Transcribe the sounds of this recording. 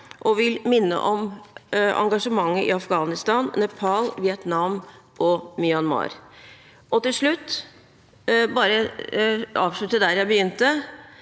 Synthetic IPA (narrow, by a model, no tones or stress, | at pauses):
ʔɔʋɪlmɪnːə̰ʔɔm | ɑ̰ŋɡɑʂəmɑŋːəʔɪɑfɡɑːnɪst̪ɑːnːɛpʰɑlʋɪɛt̪nɑm | ʔɔmɪɑnmɑ̰ːɾ | ʔɔt̪ɪlʂɭʉt̪ː | bɑːɾə | ɑːʋʂɭʉt̪ːəd̪æɾjæɪbəjʏnt̪ə